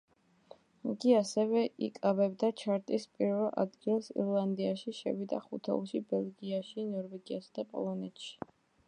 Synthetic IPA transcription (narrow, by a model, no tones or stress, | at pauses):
iɡiasɛvɛḭkʼabɛbd̪at͡ʃʰaɾt̪ʼispʼiɾvɛlˠʔa̰d̪ɡilˠsḭɾlˠand̪iaʃiʃɛ̰vid̪a̰χut̪ʰɔ̰ʃibɛlˠɡiaʃinɔɾvɛɡiasad̪apʼɔ̰lˠɔnɛt̪ʃi̥